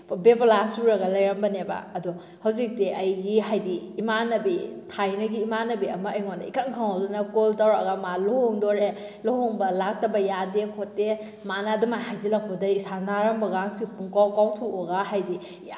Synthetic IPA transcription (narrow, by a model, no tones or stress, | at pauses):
beplasuɾɐɡɐlɐjɾɐmbɐneba̰ɐdu | hɐwzik̚tiʔɐjɡiɦajdiːmanɐbitʰajnɐɡiːmanɐbiɐmɐːjŋondɐ̰ḭkankʰaŋhawdunɐkoltawɾa̰ɡɐmalohoŋdoɾe | lohoŋbɐlak̚tɐbɐjadekʰotːe | manɐːdumajhajzilɐk̚pɐdɐisanaɾɐmbɐɡaŋsipuŋkawkawtʰuɔɡaɦajdi